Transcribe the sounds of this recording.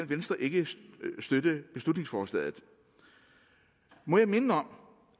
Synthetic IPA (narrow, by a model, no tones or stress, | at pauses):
enʋensd̥ʁɐʔe̝ɡ̥əsd̥ødəb̥e̝slud̥ne̝ŋsfɒːslɛ̰ðð̩ˠ | mɒ̽jɑ̈ɪme̝nəɒ̽m̰